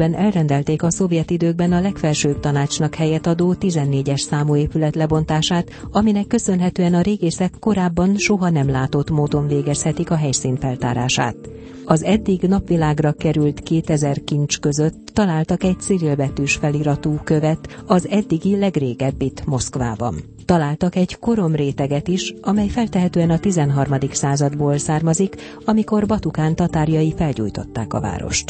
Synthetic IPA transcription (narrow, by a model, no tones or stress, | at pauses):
ɛnɛlrɛnd̪ɛlt̪eːkɒso̞vjɛt̪id̪øːɡ̚bɛnɒlɛkfɛlʃøːb̚t̪ɒnaːt͡ʃnɒkhɛjɛt̪ɒd̪oːt̪izɛnːeːɟɛʃsaːmueːpylɛt̪lɛbo̞nt̪aːʃaːt̪ɒminɛkːø̞sø̞nɦɛt̪øːɛnɒɾeːɡeːsɛkːo̞ɾaːbːɒnʃo̞ɦɒnɛmlaːt̪o̞t̪moːd̪o̞ɱveːɡɛshɛt̪ikɒɦɛjsiːnt̪fɛlt̪a̰ːɾa̰ːʃa̰ːt̪ | ɒzɛd̪ːiɡnɒpʋilaːɡrɒkɛɾylt̪keːt̪ɛzɛrkint͡ʃkø̞zøt̪ːɒlaːlt̪ɒkɛc̚t̪siɾilbɛt̪yːʃfɛliɾɒt̪uːkø̞vɛt̪ɒzɛd̪ːiɡilɛɡreːɡɛbːit̪mo̞skʋaːbɒ̰n | t̪ɒlaːlt̪ɒkɛɟko̞ɾo̞mreːt̪ɛɡɛt̪iʃɒmɛjfɛlt̪ɛɦɛt̪øːɛnɒt̪izɛnɦɒrmɒd̪iksaːzɒd̪boːlsaːrmɒzik | ɒmiko̞rbɒt̪ukaːnt̪ɒt̪aːrjɒifɛlɟṵːjt̪o̞̰t̪ːa̰ːkɒ̰va̰ːɾo̞̰ʃt̪